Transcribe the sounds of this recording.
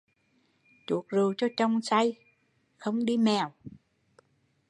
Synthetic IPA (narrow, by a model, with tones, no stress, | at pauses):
t͡ɕu˨˩˦ək̚zu˨˩wt͡ɕɔ˧t͡ɕə˧wŋ͡msa˧j | xə˧wŋ͡mɗi˧mɛ˨˩w